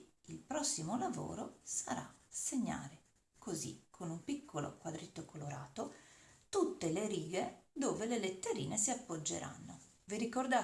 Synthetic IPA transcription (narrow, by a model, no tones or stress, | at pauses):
ilpɾɔsːimolavo̰ːɾosaɾa̰seɲːa̰ːɾe | kozḭkʰonumpikʰːolo̰kwad̪ɾet̪ːokʰoloɾaːt̪ot̪ut̪ːeleɾiːɡed̪oːvelelet̪ːeɾḭːnesiapːod͡ʒːḛɾʔa̰nːo | viɾikord̪a